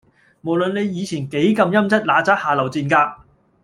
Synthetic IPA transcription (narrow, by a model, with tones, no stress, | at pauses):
mo˨˩wlɵ˨nne˨˧jjiː˨˧t͡sʰiː˨˩nke˨˥jkɐ˧mjɐ˥mt͡sɐ˥t̚laː˨˥t͡saː˥k̚haː˨lɐ˨˩wt͡siː˨˧nkaː˧